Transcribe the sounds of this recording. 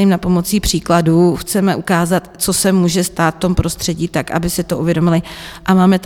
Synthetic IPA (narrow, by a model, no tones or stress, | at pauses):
imnapo̞mo̞t͡siːpr̝̥iːkladuːxt͡sɛmɛʔukaːzat̪t͡so̞sɛmuːʒɛst̪aːt̪ft̪o̞mpɾo̞st̪r̥ɛɟiːt̪akʔa̰bɪsɪt̪o̞ʔuvjɛdo̞mɪlɪʔamaːmɛt̪